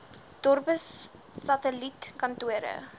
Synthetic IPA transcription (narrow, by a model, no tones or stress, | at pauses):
d̥ɔrpəsː | ɐtəlitkɐntuəɾə̰